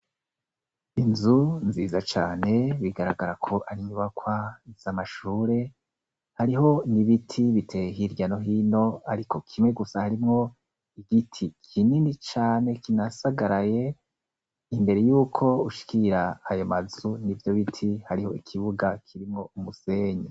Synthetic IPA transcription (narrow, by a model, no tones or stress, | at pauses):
inzunziːzat͡ʃaːne̞βiɡaɾaɡaɾakʰo̞ʔaɾiɲuβakwaz̥amaʃuːɾe̞ | haɾiɦo̞niβitʰiβitʰe̞ɦiɾɟano̞ɦiːno̞aɾiko̞kʰimŋe̞ɡusahaɾimŋo̞ | iɡitʰikʰininit͡ʃaːne̞kinasaɡaɾaje̞ | imbe̞ɾe̞juːkʰo̞uʃi̥kʰiɾaːjomazunivjo̞βitʰihaɾiho̞ikʰiβuɡakʰiɾimŋo̞umuseːɲe